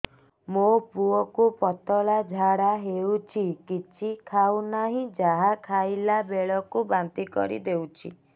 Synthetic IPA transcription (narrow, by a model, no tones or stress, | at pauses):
mopuɔkupɔt̪ɔɭad͡ʒʱaɽaɦeut͡ʃʰikit͡ʃʰikʰawnaɦĩd͡ʒaɦakʰajlabeɭɔkubant̪ikɔ̰ɾḭd̪ewt͡ʃʰḭ